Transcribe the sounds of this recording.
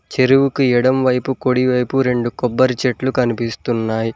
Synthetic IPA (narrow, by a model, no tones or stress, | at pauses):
t͡ʃeɾuwukuiɽɐmʋɐjpukoɽiʋɐjpuɾe̞ɳɖukɔbːɐɾit͡ʃeʈlukɐnipist̪unːaːji